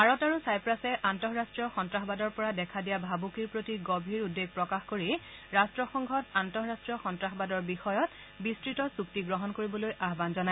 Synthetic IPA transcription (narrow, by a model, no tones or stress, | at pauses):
aɹɔtaɹusajpɹasɛʔantɔɦɹastɹiɔxɔntɹaxɔbadɔɹpɔɹadɛkʰadijabʱabukiɹpɹotiɡobʱiɹudːeɡ̚pɹɔkaxkoɹiɹastɹɔxɔŋɡʱɔtantɔɦɹastɹijɔxɔntɹaxbadɔɹbixɔjɔt | bistɹitɔsuk̚tiɡɹɔɦɔnkoɹibɔlojʔaɦbanzɔnaj